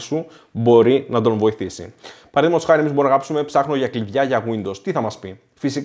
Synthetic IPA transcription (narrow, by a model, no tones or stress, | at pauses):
su | bo̞ɾinɐt̪o̞nvo̞iθisḭpɐɾɐðimɐtosxɐɾemizboɾinɐɣɐpsume̞psɐxno̞ʝɐkliðʝɐʝɐɣwind̪ost̪iθɐmɐspi | fisik